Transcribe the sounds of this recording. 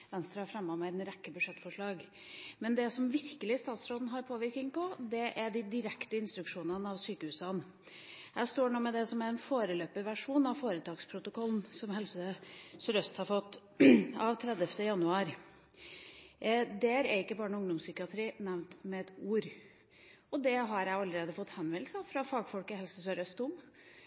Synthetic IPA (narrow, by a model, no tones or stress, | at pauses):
ʋɛnst̪ɾɑhæɾfɾɛmːɑmɛnɾɛkːəbʉʂɛt̪ːfɔʂɭɑːɡ | mɛnd̪ɛsɔmʋɪɾkəlɪst̪ɑːt̪sɾoːd̪nɦɑɾpʰoːʋɪɾkɪŋpʰɔd̪ɛʔæɖɪd̪ɪɾɛkt̪əɪnst̪ɾʉkʂuːnənəɑʋsyːkəhʉːsɑn | jæɪst̪oːɳuːmɛd̪ɛsɔmæɾɛnfoːɾəløːpəʋæʂuːnɑʋfoːɾət̪ʰɑːɡspʰɾʊt̪ʊkʰɔln̩sɔmhɛlsəsɾœst̪hɑɾfɔt̪ː | ɑʋt̪ʰɾɛd̪əft̪əjɑnʉɑːɾ | d̪ɛæɾæɾɪkːəbɑːɳʊŋd̪ʊmsʏkɪɑt̪ʰɾiːnæʋnt̪mɛɛt̪uːɾ | ɔd̪ɛɦɑɾjæɪɑlːəɾeːd̪əfɔt̪ːhɛnʋɛlsəfɾɑfɑːɡfɔlkəhɛlsəsœɾœst̪ʊm